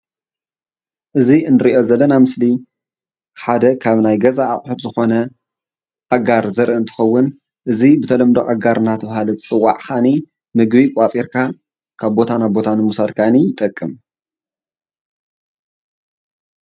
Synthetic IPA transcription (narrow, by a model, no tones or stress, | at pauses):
ʔɨziɨnɨɾiʔo̞zɐlːɐnamɨsli | ħad̪ɐkʰaβnajɡɐzaːχʼħɨt̪zɨxo̞nɐ | ɐɡaɾzɐɾʔɨɨnt̪ʰɨ̥xɐwːʊn | ʔɨzibɨt̪ʰɐlɐmd̪oʔʼɐɡaɾɨnat̪ʰɐβhalɨt̪ʰɨ̥t͡sʼɨwːa̰ʕxani | mɨɡbikʷʼat͡sʼeɾkʰa | kʰaβbo̞t̪ʰanaβbo̞t̪ʰanɨmusad̪kʰanijɪt̪ʼɐkʼːɨm